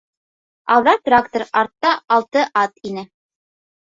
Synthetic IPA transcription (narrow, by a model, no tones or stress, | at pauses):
ɑlˠðɑt̪rakt̪oɾɑɾt̪ːɑɑlˠt̪ɤʔɑt̪inɘ